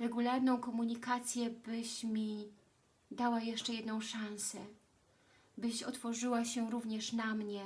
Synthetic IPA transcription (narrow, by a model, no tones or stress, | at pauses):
ɾɛɡulaɾnɔ̃w̃kɔmuɲikat̪sʲjɛbɘɕmʲi | d̪awajɛʂt͡ʂɛjɛd̪nɔ̃w̃ʂãñsɛ | bɘɕɔt̪fɔʐɘwaɕɛɾuvɲɛʂnamɲɛ